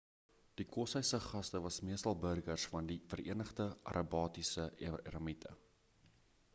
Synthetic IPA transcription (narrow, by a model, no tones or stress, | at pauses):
d̥ikɔsəjsəχɐstəvɐsmiəstɐlˠbərɡərsfɐndifərḭənəχdəʔɐ̰ɾʔɑbɑːtisəɛ̰ɾɑmitʰə̰